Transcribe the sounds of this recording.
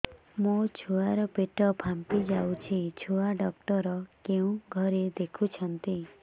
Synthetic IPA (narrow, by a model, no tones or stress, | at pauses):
mut͡ʃʰuaɾɔpeʈɔpʰampid͡ʒawt͡ʃʰit͡ʃʰuaɖɔk̚ʈɔɾɔkeũɡʱɔɾed̪ekʰut͡ʃʰɔnt̪i